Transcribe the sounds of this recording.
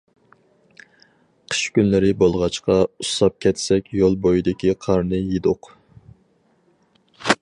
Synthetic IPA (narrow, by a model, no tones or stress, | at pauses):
qʰə̥ʃkʲynlɪɾɪbolˠʁɑt͡ʃqɑusɑp̚kʲʰɛt̪sɛkʲjolˠbojid̪ɪkʲiqʰɑɾnɨjed̪ʊq